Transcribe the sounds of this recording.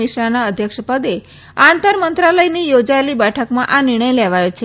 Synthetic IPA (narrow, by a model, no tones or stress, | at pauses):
iʃɾanaəd̪ʱjəkʃəpəd̪e | ant̪əɾmənt̪ɾaləjnijod͡ʒaelibɛʈʰəkmãʔanɪɾɳ̃əjleʋajot͡ʃʰe